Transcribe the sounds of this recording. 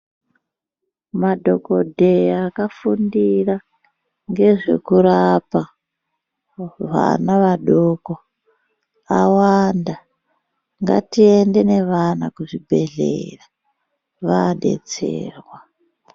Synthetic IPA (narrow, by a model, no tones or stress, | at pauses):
madʱo̞ko̞dʱeakafundira | ŋɡe̞ʐe̞̰kuɾapa | ʋa̰naʋaɗoko | awanda | ŋɡa̰tie̞nde̞ne̞ʋanakuʐibʱe̞ɮḛra | ʋaɗe̞̰t͡sḛːrwa